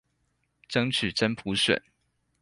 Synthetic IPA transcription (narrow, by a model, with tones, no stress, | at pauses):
ʈ͡ʂɤ˥ŋt͡ʃʰy˨˩ʈ͡ʂə˥npʰu˧˥ʂwə̰˨˩˦n